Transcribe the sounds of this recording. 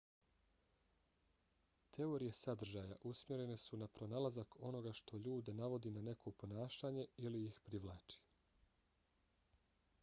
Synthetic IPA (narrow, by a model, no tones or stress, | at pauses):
t̪ʰe̞o̞ɾije̞sad̪r̩ʒaːjaʔusmʲje̞ɾe̞ne̞sunapɾo̞naːlazako̞no̞ɡaʃt̪ʰo̞ʎuːd̪enaʋo̞d̪inane̞kʰo̞po̞naːʃaɲe̞ilijixpɾiʋlˠaːt͡ʃi̥